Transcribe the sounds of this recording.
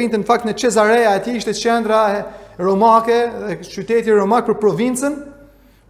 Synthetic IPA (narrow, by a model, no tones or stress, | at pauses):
int̪ɛnfak̚t̪nət͡ʃɛzaɾɛaɛt̪iiʃt̪ɛt͡ʃɛnd̪ɾaɛɾɔmakɛðɛt͡ʃyt̪ɛt̪iɾɔmak̚pəɾpɾɔvint͡sən